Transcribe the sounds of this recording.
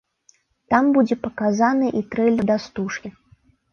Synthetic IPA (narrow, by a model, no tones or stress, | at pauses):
t̪ambud͡zʲɛpɐkazanɨʔit̪ɾɛlʲɐd̪ast̪uʂkʲi